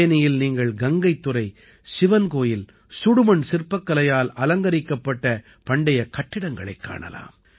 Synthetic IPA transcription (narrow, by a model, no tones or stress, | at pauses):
ɐnɪjɪlniːŋɡɐɭɡɐŋɡɐɪt̪ːʊɾɐɪ | sɪʋɐnkoːjɪl | sʊɽʊmɐɳsɪrpːɐkːɐlɐjaːlɐlɐŋɡɐɾɪkːɐpːɐʈːɐ | pɐɳɖɐjɐkɐʈːɪɽɐŋɡɐɭɐ̰ɪkːa̰ːɳɐ̰la̰ːm